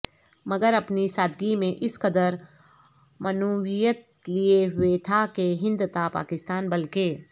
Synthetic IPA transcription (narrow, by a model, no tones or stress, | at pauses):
mɐɡəɾɐpnisaːd̪ɡimẽʔɪskɐd̪əɾ | mɐnowijət̪̚ | lieɦʊet̪ʰakeɦɪ̃nd̪t̪apa̰ːkɪst̪aːnbɐlkeː